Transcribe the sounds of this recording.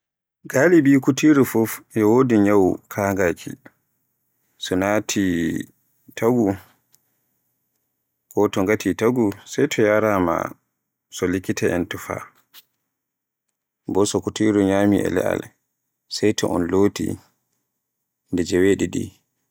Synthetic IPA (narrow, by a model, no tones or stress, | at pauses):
ɡalibikutiɾufufʔɛwoːdiɲawkʰaːŋɡakʰḭ | sɔnatʰi | tʰaɡu | kɔtɔŋɡatʰitaɡusɛjtʰɔjaɾama̰ | sɔlikːitʰɛɛntɔfa̰ | bɔsɔkutiɾuɲaːmiʔɛ̰lɛ̰ʔa̰l | sɛjtʰɔ̰ʔɔ̰nloːtḭ | ndɛd͡ʒɛweːɗidḭ